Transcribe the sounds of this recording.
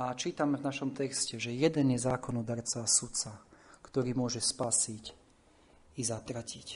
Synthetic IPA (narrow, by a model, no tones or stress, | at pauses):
at͡ʃiːt̪amɛvnaʃɔmt̪ɛkscɛʒɛjɛd̪ɛnjɛzaːkɔnɔd̪aɾt͡sasut̪t͡sakt̪ɔɾiːmʊɔʒɛspaːsic | izat̪ɾacic